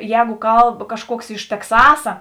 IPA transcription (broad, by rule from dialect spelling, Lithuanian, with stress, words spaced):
ˈjɛːɡʊ ˈkɐlˠp kɐʃˈkuɔks ɪʃ tʲɛkˈsɑːsɐ